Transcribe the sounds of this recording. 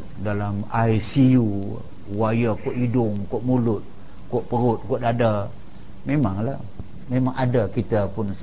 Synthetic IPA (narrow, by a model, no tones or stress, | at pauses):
dalamaisiu | wajakɔʔidʊŋkɔʔmulʊt̪̚ | kɔʔpəɾʊt̪̚kɔʔdada | memaŋla | memaŋʔadakit̪apʊn